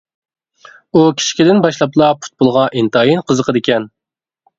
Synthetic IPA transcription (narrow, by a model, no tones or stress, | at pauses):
ukʲʰi̥ʃi̥kʲid̪ɪnbɑʃlˠɑplˠɑpʰu̥t̪̚bolˠʁɑʔint̪ɑjinqʰəzəqʰəd̪ɪkʲɛn